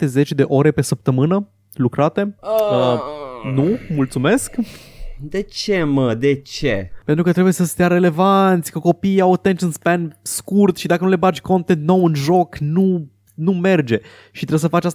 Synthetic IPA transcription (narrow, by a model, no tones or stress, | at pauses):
t̪e̞ze̞t͡ʃʲd̪e̞ʔo̞ɾe̞pe̞səp̚t̪əmɨnə | lukɾat̪e̞ənumult̪sume̞sk | d̪e̞t͡ʃeməd̪e̞t͡ʃepent̪ɾukət̪ɾebuje̞səst̪ejaɾe̞le̞vant̪sʲkuko̞pijawat̪enʃənspanʲskurt̪ʃid̪akənule̞bat͡ʃʲko̞nt̪ent̪nawɨnʒo̞knu | nume̞rd͡ʒe̞ | ʃit̪ɾebsəfat͡ʃas